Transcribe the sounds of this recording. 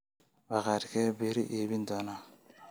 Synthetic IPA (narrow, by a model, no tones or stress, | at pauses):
bakaɾikɛbeɾiʔebindɔna